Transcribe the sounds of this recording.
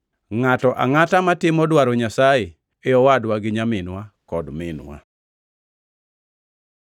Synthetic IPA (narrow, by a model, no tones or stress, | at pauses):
ŋatɔʔa̰ŋatamatɪmɔdwaɾɔɲasaje | eɔwadwaɡɪɲamɪnwakɔdmɪnwa̰